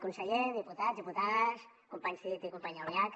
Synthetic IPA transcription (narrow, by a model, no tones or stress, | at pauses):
kunsəʎeðiput̪azd̪iput̪as | kumpaɲsit̪ikumpaɲaoliak